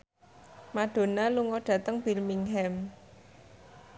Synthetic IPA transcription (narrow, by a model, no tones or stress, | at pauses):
maɖ̥o̤naluŋɔɖ̥ä̤t̪əŋb̥ilmiŋɦɛm